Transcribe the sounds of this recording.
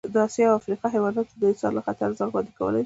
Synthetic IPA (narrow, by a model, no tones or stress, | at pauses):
d̪əɑsjɑwafɾiqɑɦewɑd̪at̪d̪əɪsɑ̰ɾlaxat̪aɾzaɾɣwɑnd̪ikawə̰laj